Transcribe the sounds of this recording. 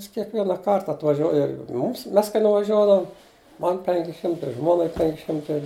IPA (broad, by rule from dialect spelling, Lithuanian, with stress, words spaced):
ˈjɪs kʲiɛkʋʲiɛnɐˈkɐrt ɐtʋɐˈʒʲuɔjɪ ˈmʊms ˈmʲɛs kɐɪ nʊʋɐˈʒʲuɔdɐʋʊm ˈmɐn ˈpʲɛŋʲkʲɪ ˈʃʲɪmtɐɪ ˈʒmuɔnɐɪ ˈpʲɛŋʲkʲɪ ˈʃʲɪmtɐɪ